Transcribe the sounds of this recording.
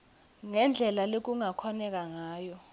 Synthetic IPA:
ŋɛnd͡ɮʱɛlalek̬uŋakʰɔnɛk̬aŋaːjɔ

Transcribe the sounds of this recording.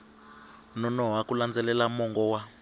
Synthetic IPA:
nɔnɔɦakuland͡zɛlɛlamɔŋɡɔwa

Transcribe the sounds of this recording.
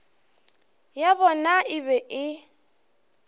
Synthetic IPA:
jabɔnaʔɪbɛʔɪ

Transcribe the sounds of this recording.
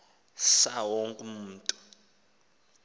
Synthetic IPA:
sawoŋkʼum̩ːtʼu̥

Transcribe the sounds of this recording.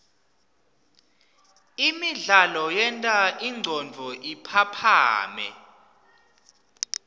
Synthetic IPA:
imiɮalɔjɛntʼaʔiŋ͡ǀʱɔnd͡vʱɔʔipʰapʰa̰ːmɛ̰

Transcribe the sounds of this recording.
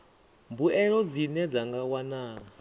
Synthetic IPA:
mbuɛɺɔd͡zinɛd͡zaŋɡawanaː

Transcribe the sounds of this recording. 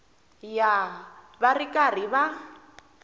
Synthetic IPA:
ja | barikʼar̤iβa

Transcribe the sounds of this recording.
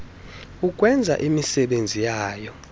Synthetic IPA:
uk̬ʼwɛnd͡zʱa̰ʔimisɛɓend͡zʱijaːjɔ

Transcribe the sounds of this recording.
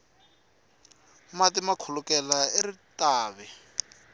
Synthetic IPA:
matimakʰulʊkɛlaeritaːβɛ

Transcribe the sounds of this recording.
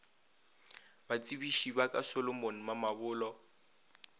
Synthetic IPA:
bat͡sʼibiʃibakʼasɔlɔmon̩mamabʊːlɔ

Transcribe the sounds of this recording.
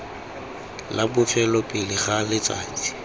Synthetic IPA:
labʊfɛlɔpʼɪlɪχalɪt͡sʼa̰ːt͡sʼi̥

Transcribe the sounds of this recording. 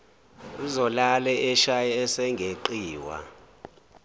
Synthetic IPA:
uzɔlalɛʔɛʃajɛɛsɛŋɡʱeǃiːwa̰

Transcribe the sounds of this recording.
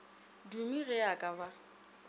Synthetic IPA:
dumirɛakʼaba

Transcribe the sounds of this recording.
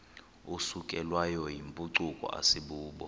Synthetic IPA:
usukʼɛlwajɔjimpʼuǀukʼɔ̰a̰siɓuːɓɔ

